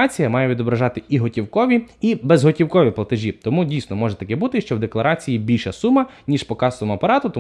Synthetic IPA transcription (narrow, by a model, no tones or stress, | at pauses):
ɑt͡sʲijɐmɑjɛʋʲid̪ɔbɾɐʒɑt̪ɪiɦɔtʲiwkɔʋʲiibezɦɔtʲiwkɔʋʲiplˠɐt̪eʒʲit̪ɔmudʲijsnɔmɔʒɛt̪ɐkɛbut̪ɪʃt͡ʃɔwd̪e̞klˠɐɾɑt͡sʲijibʲilʲʃɐsumɐnʲiʃpɔkɑst̪ɔmʊɐpɐɾɑt̪ʊt̪ɔ